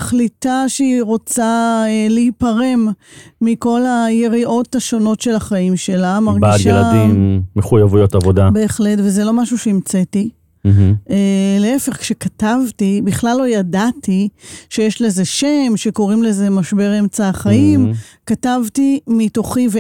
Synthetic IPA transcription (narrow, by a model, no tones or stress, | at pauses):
χlitaʃeiʁo̞t͡saeleipaʁe̞mː | iko̞laje̞ʁiʔo̞taʃo̞no̞tʃe̞laχaimʃe̞lamaʁɡbiatʃealadimːeχujavujotavodabe̞ːχle̞tvezelo̞maʃuʃeimt͡seti | m̩eleefe̞χkʃekatavtibiχlalːo̞jadatʰiʃe̞jeʃle̞ze̞ʃemʃe̞ko̞ʁimle̞zemaʃbe̞ʁemt͡saχaimkatavtimito̞χive